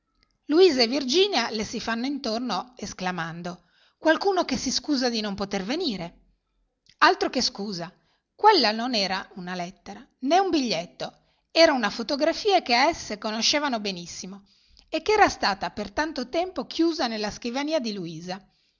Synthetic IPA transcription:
luiːzaevird͡ʒiːnjalesifanːoint̪ornoesklamand̪o | kwalkuːnokesiskuːzad̪inompot̪erveniːɾe | alt̪ɾokeskuːza | kwelːanonɛːɾaunalɛt̪ːeɾaneumbiʎːet̪ːo | ɛːɾaunafot̪oɡɾafiːakeaesːekonoʃeːvanobenisːimo | ekːeɛːɾast̪aːt̪apert̪ant̪ot̪ɛmpokʰjuːzanelːaskivaniːad̪iluiːza

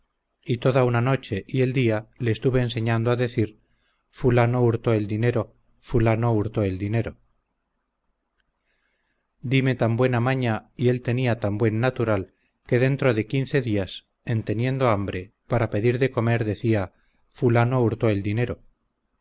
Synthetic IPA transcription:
it̪o̞ðaunano̞t͡ʃe̞ʔie̞ld̪iale̞ːst̪uβe̞ːnse̞ɲãnd̪oaðe̞θiɾ | fulano̞uɾt̪o̞e̞ld̪ine̞ɾo̞ | fulano̞uɾt̪oeld̪ine̞ɾo̞ | d̪ime̞t̪ambwe̞namaɲaie̞lt̪e̞niat̪ambwe̞nːat̪uɾal | ke̞ð̞e̞nt̪ɾo̞ðe̞kin̟θe̞ðias | e̞nt̪e̞njẽ̞nd̪o̞ambɾe̞ | paɾape̞ðiɾðe̞ko̞me̞ɾðe̞θia | fulano̞uɾt̪o̞e̞ld̪ine̞ɾo̞

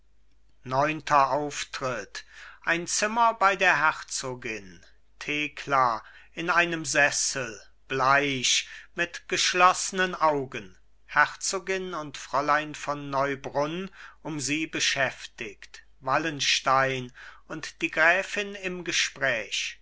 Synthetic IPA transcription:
nɔʏntʰɐʔaʊftʁ̥ɪtʔaɪnt͡sɪmɐbaɪdeːɐɦɛʁt͡soːɡɪn | tʰeːkʰlaʔɪnaɪnəmzɛsl̩ | b̥laɪʃmɪtɡ̥əʃlɔsənənʔaʊɡən | hɛʁt͡soːɡɪnʊntfʁ̥ɔlaɪnfɔnːɔʏbʁʊnʔʊmziːbəʃɛftɪkt | valənʃtaɪnʊntd̥iːɡʁɛːfɪnɪmɡəʃpʁ̥ɛːʃ

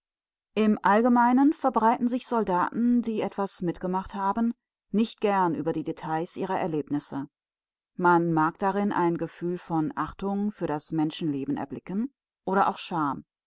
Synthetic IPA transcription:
ʔɪmʔalɡəmaɪnənfɛɐbʁaɪtn̩zɪçz̥ɔldaːtn̩diːʔɛtv̥asmɪtɡ̥əmaχthaːbən̩ː | ɪçt̚ɡ̥ɛɐnʔy̰ːbɐdiːdetʰaɪsʔiːʁɐʔɛɐleːpnɪsə | manmaːkd̥aʁɪnʔa̰ɪnɡəfyːlfɔnʔaχtʊŋfyːɐɾasmɛnʃn̩leːbn̩ʔɛ̰ɐblɪkən̩ | ʔoːɾɐʔa̰ʊxʃaɐm

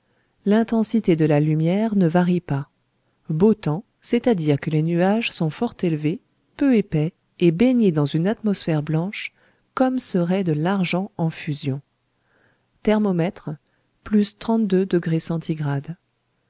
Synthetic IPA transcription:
lɛ̃t̪ɑ̃sit̪ed̪əlalymjɛʁnəvaʁipa | bot̪ɑ̃ | sɛt̪ad̪iʁkəlenyaʒsɔ̃fɔʁt̪elve | pøepɛ | ebeɲed̪ɑ̃zynat̪mɔsfɛʁblɑ̃ʃ | kɔmsəʁɛd̪əlaʁʒɑ̃ɑ̃fyzjɔ̃ | t̪ɛʁmɔmɛt̪χ | plyst̪χɑ̃t̪̚d̪ød̪əɡʁesɑ̃t̪ʰiɡʁad̪

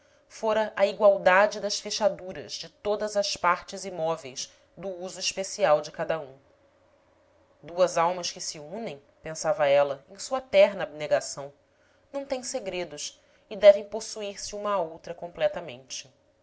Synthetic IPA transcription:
foɾɐʔɐiɡwawd̪ad͡ʒɪd̪ɐʃfeʃad̪uɾɐ̰zd͡ʒɪt̪od̪ɐzɐʃpaɾt͡ʃɪzimɔvejz | d̪ʊuzuiʃpesiawd͡ʒɪkad̪ɐũ | d̪uɐzawmɐʃkɪsɪũnẽj̃ | pẽsavɐɛlɐẽj̃suɐt̪ɛɦnɐːb̚neɡasɐ̃w̃ | nɐ̃w̃t̪ẽj̃seɡɾed̪ʊʃ | ɪd̪ɛvẽj̃posuiɾsɪũmɐowt̪ɾɐkõmplɛt̪ɐmḛ̃nt͡ʃɪ

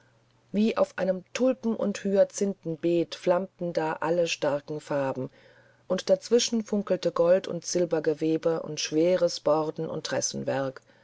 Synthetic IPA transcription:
viːʔa̰ʊfʔa̰ɪnəmtʰʊlpm̩ʔʊ̰nthyːɐt͡sɪntn̩beːtflamtn̩daːʔaləʃtaɐkŋ̩faːbm̩ | ʔʊntd̥at͡sv̥ɪʃn̩fʊŋkl̩təɡɔltʊ̰ntz̥ɪlbɐɡəveːbəʔʊ̰ntʃv̥eːʁəsb̥ɔʁdn̩ʔʊ̰ntʁɛsn̩vɛɐk

